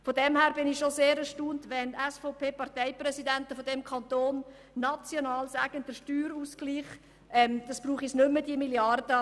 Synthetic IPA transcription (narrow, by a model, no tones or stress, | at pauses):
fodɛmhæːɾbɪnɪxʃozeːɾəʃtuːntvɛnɛsfɔʊpʰeːpɑɾtɛɪprɛsidɛntəfodɛmkʰɑntoːnː | ɑt͡sjonɑːlsæɡənd̥əʃtyːɾuːsɡ̥liːχ | ʔɛmd̥ɑsb̥ruːχisnʏmːədiəmiljɑrd̥ə